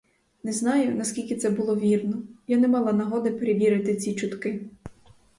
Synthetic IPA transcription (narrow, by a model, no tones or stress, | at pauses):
nɛznɑjʊnɐskʲilʲkʲɪt̪sɛbʊlˠɔʋʲirnɔjanɛmɑlˠɑnɐɦɔd̪ɪpeɾeʋʲiɾɪt̪ɪt͡sʲit͡ʃʊt̪kɪ